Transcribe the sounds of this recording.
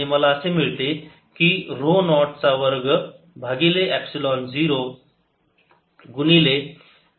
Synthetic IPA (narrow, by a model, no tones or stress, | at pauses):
iməlaəsemiɭt̪e | kiɾonɔʈ̚t͡saʋəɾɡ | bʱaɡileʔæpsilɔnd͡ziɾo | ɡunile